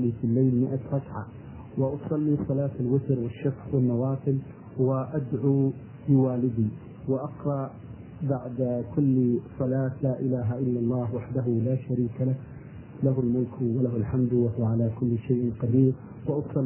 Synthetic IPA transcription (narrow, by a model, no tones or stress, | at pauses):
lifilːaːlmɪʔaɾˤɑkʕa̰ | wɪʔɑsˤɑlːisˤɑlaːt̪alwɪt̪ɾwɪʃːafxwɪnːɑwɑːfˤɨl | wɪʔad̪ʕuː | bɪwaːlɪd̪i | wɪʔɑqɾˤɑʔ | baʕd̪kʊlːsˤɑlaːt̪laːʔɪlaːɦaʔɪlːalˤːɑːhwaħd̪aɦʊlaːʃaɾiːkalah | laɦʊlmʊlkwalaɦʊlħamd̪wahʊwaʕalaːkʊlːʃajʔqad̪iːɾ | wɪʔɑsˤɑ